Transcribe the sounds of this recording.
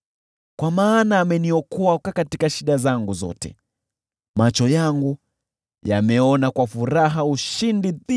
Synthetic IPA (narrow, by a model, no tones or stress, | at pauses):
kwamaːnaːmɛniɔkɔakakatikaʃiɗazaŋɡuzɔ̰tɛ̰ | mat͡ʃɔjaŋɡu | jamɛɔnakwafuɾaɦauʃindii